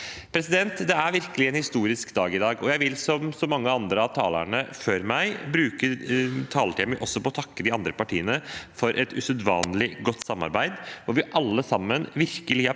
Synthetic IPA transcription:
pʰɾɛsɪd̪ɛnt̪d̪ɛæɾʋɪɾkəlɪɛnhɪst̪uːɾɪskd̪ɑːɡɪd̪ɑːɡɔjæɪʋɪlsɔmsɔmɑŋːəɑnd̪ɾəɑʋt̪ʰɑ̰ːlæ̰ɳəføɾmæɪbɾʉːkəɾt̪ʰɑːləʈ̪ʰiməʔɔsːɔpɔɔt̪ʰɑkːəd̪ɪɑnd̪ɾəpɑʈʰiːənəfɔɾʔɛt̪ʉsʉd̪ʋɑ̰ːnlɪɡɔt̪ːsɑmːɑ̰ɾbæɪd̪ʋɔɾʋɪʔɑlːəsɑmːənʋɪɾkəlɪ

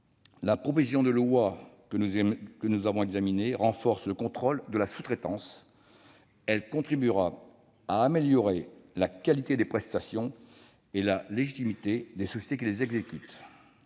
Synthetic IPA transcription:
lapχɔpozis̬jɔ̃d̪əlwa | kənuzavɔ̃ɛɡzamineʁɑ̃fɔʁsləkɔ̃t̪χɔld̪əlasu̥t̪χet̪ɑ̃s | ɛlkɔ̃t̪χibyʁa | aːmeljɔʁelakalit̪ed̪epχɛst̪asjɔ̃ | elaleʒit̪imit̪ed̪esɔsje̥t̪ek̬ʲilezɛɡzekʲyt̪

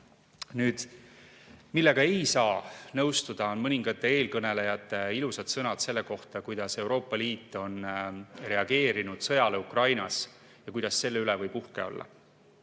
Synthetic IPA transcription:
nyːd̪̥ | milːe̞ɡ̥ɑe̞jsɑːnɤwst̪ud̪̥ɑo̞nmɤnʲiŋɡ̥ɑt̪ːˑe̞eːlkɤne̞le̞jɑt̪ːˑeilusɑt̪sɤnɑd̪se̞lːe̞ko̞ht̪ɑkujd̪̥ɑse̞wɾo̞ːpːˑɑliːt̪ːˑo̞nre̞ɑɡ̥e̞ːɾinud̪̥sɤ̞jɑle̞ukrɑjnɑs | jɑkujd̪̥ɑsːe̞lːe̞ylevɤjpuhke̞̰o̞̰lːɑ̰

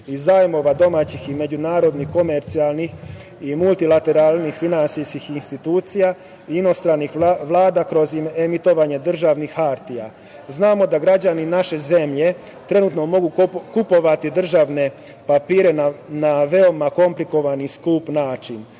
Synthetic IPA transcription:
izajmo̞ʋad̪o̞maːt͡ɕixime̞d͡ʑunaːɾo̞d̪nixko̞me̞ɾt̪sialˠnix | imulˠt̪ilat̪e̞ɾalˠnixfinansiskixinst̪it̪uːt̪sija | iino̞st̪ɾanːixʋlˠaːd̪akɾo̞zime̞mit̪o̞ʋaɲe̞d̪r̩ʒaʋnixaɾt̪ija̰ | znaːmo̞d̪aɡɾad͡ʑaninaʃe̞ze̞mʎe̞ | t̪ɾe̞nut̪no̞mo̞ɡukupo̞ʋat̪id̪r̩ʒaʋne̞ | papiːɾe̞nanaʋe̞omako̞mpliko̞ʋaniskuːpnaːt͡ʃin

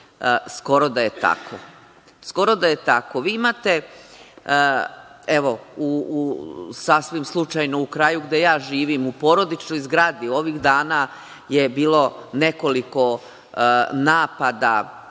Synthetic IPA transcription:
sko̞ɾo̞d̪aje̞t̪a̰kʰo̰ | sko̞ɾo̞d̪aje̞t̪ako̞ʋiːimaːt̪e̞ | eʋo̞u | sasʋimslˠut͡ʃajnoukɾajuɡd̪e̞jaːʒiːʋimupo̞ɾo̞d̪it͡ʃno̞jzɡɾaːd̪io̞ʋiɣd̪aːna | je̞biːlo̞ne̞ko̞liko̞ | naːpad̪a̰

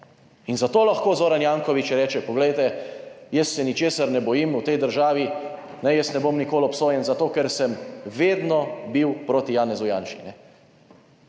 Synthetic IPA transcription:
inzat̪oːlaxkoːzoːɾanjaːŋkɔʋit͡ʃjɛɾɛːt͡ʃɛpɔɡlɛjt̪ɛjɛsːɛnit͡ʃeːsaɾnɛbɔjimut̪ɛjd̪əɾʒaːʋi | nɛjɛsnɛboːmnikoːlɔpsoːjɛnzat̪oːkɛɾsɛmʋeːd̪nɔbiwpɾoːt̪ijaːnɛzujanʃinɛ

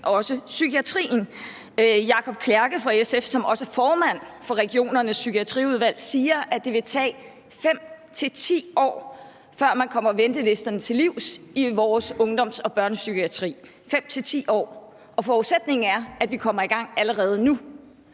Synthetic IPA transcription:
ɒ̽səsykʰiæt͡sʰʁḭːn̩ | jɑ̈kʰɒ̽b̥̚kʰlæɐɡ̥əfʁɑ̈esefsɒ̽mɒ̽səfɒːmæn̰fɒ̽ʁɛɡ̥io̝̰ːnɐnəsːykʰiæt͡sʰʁḭːuð̞ˠʋæl̰siːɐʔæ̥d̥e̝ʋe̝t͡sʰɛ̰ː | fem̰t͡sʰe̝lt͡sʰḭːɒ̰ː | fɶɐ̰mænkʰɒ̽m̰ɐʋend̥əle̝sd̥ɐnət͡sʰe̝liʊ̰siʋɒːsɔ̽ŋd̥ɒ̽m̰sɒ̽b̥ɶɐnəsykʰiæt͡sʰʁḭː | fem̰t͡sʰe̝lt͡sʰḭːɒ̰ː | ʔɒ̽fɒːused̥ne̝ŋn̩æɐæd̥ʋikʰɒ̽m̰ɐiɡ̥ɑ̈ŋ̰æləʁɛːð̞ˠnu

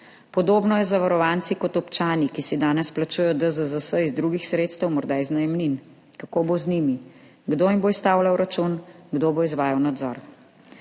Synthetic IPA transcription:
pɔd̪oːbnɔjɛzaʋaɾɔʋaːnt̪sikɔt̪ɔpt͡ʃaːnikisid̪aːnɛsplat͡ʃuːjɛjɔd̪əzəzəsəizd̪ɾuːɡixsɾeːt̪st̪əwmɔɾd̪aːiznajɛmnin | kakoːbozniːmi | ɡd̪oːimboist̪aːwlawɾat͡ʃunɡd̪oːboizʋaːjawnad̪zɔ̰ɾ

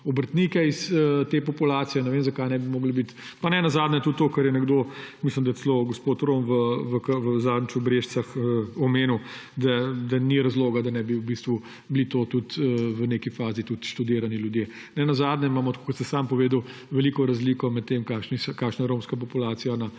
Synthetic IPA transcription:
ɔbəɾt̪nikɛisət̪eːpɔpulaːt̪sijɛnɛʋeːmzɐkajnɛbimoːɡlbit̪ | panɛnɐzaːd̪nʲɛt̪ut̪ːoːkɐɾjɛnɛɡd̪omisləmd̪ɐjɛsɛloɡospot̪ɾomʋəʋəkəʋəzaːd̪nit͡ʃɔbɾeːʃt͡s̪axəɔmeːnuw | d̪ad̪ɐniɾɐzloːɡad̪ɐnɛbiuwbist̪ʋu | blit̪oːt̪ut̪əʋəneːkifaːzit̪ut̪ʃt̪ud̪eːɾaniljud̪jeː | nɛnɐzaːd̪nʲɛimaːmɔt̪kʰo̥kɔt̪səsampɔʋeːd̪əw | ʋɛliːkɔɾɐzliːkɔmɛt̪ːemkaːʃniskaːkʃnajɛɾomskap̬ɔpulaːt̪sijana

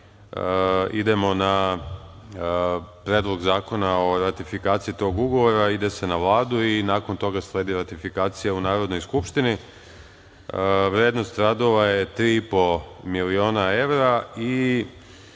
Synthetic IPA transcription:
ḭd̪e̞mo̞na | pɾed̪lˠo̞ɡzaːko̞nao̞ɾat̪ifikaːt̪sijit̪o̞ːɡuɡo̞ʋo̞ɾaid̪e̞se̞naʋlˠaːd̪uinaːko̞nt̪o̞ɡaslˠe̞ːd̪iɾat̪ifikaːt̪sijaunaːɾod̪no̞jskupʃt̪ini | ʋɾeːd̪no̞st̪ɾad̪o̞ʋaje̞t̪ɾiːipo̞milio̞ːnae̞ʋɾai

